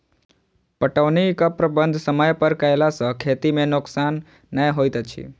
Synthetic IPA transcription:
pəʈəʋnikəpɾəbənd̪ʱsəməjpəɾkəelasə̃kʰet̪imẽnʊksanː | əjɦojt̪t͡ʃʰḭ

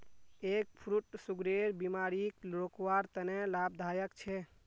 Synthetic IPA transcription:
ek̚pʰɾuʈsuɡɾeɾbimaɾiklokwaɾt̪ənelab̚d̪ʱajəkt͡ʃʰɛ

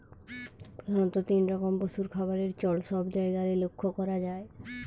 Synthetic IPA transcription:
anot̪ot̪inɾɔkombosuɾkʰabaɾeɾt͡ɕɔlʃɔbd͡ʑɔeɡaɾelokʰːokɔɾad͡ʑae

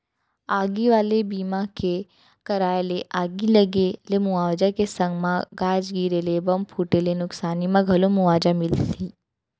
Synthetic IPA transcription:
aːɡiʋaːlebiːmãke | kɐɾaːeleʔaːɡilɐɡelemʊaːʋd͡ʒakesɐ̃ŋɡmãɡaːd͡ʒɡiːɾelebɐmpʰuːʈelenʊksaːnimãɡʱɐlomʊaːd͡ʒamɪlt̪ʰiː

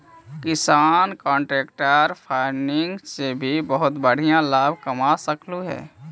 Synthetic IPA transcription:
kɪsaːnkɔ̃ːɳʈɾeːkʈəɾpʰaːɪnɪŋɡsebʱibəɦʊt̪bəɽ̤ijãlaːbʱkəmasəkluɦɛ̰ː

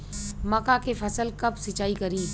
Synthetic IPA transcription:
mɐkakefʰɐsəlkɐbsɪt͡ʃaːikɐɾiː

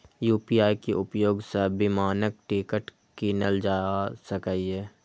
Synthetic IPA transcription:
juːpiaːikeʔʊpjoːɡsəbɪmaːnək̚ʈikəʈ | kinəld͡ʒaːsəkaːiɛː

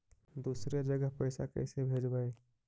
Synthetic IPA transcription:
d̪uːsɾed͡ʒəɡəɦpəɪsa̰kə̰ɪsebʱeːd͡ʒbae

